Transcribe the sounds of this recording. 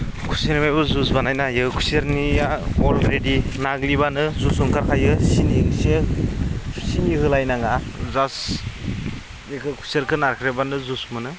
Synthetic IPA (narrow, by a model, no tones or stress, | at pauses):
kʰu̥senimajbɯzusbanajnajɯkʰu̥seɾnijaɔlɾedinaɡliβanɯzusuŋkʰaɾkʰajɯsiniŋse | siniɦɯlajnaŋazas | jekʰɯkʰu̥seɾkʰɯnaɾkʰɾebanɯzusmɯnɯ